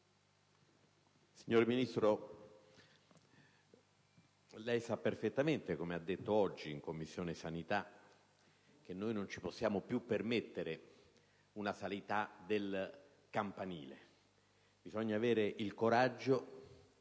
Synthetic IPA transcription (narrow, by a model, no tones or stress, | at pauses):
siɲːoːɾeminist̪ɾo | lɛjsapːerfet̪ːament̪ekomead̪ːet̪ːoɔd͡ʒːiːŋkomːisːjoːnesanit̪a | k̟enːoːjnont͡ʃi̥posːjaːmopjupːermet̪ːeɾe | unasalit̪ad̪el | kampaniːlḛ | bizɔɲːaːveːɾeʔilkoɾad͡ʒːo